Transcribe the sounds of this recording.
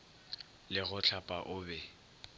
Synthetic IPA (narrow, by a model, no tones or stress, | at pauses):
lɪɣʊt͡ɬʰapʼaʔʊːbɛ